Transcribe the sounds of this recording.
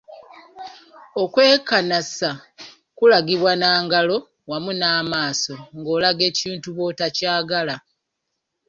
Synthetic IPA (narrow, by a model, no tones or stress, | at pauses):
o̞kwe̞ːkanasa | kulaɡiβwanaːŋɡalo̞ | wamunaːmaːso̞ŋɡo̞ːlaɡe̞ːciːntuβo̞tacaːɡala